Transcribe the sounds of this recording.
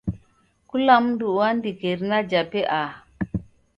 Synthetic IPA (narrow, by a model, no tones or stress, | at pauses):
kulamnduwandikeɾnad͡ʒapeʔa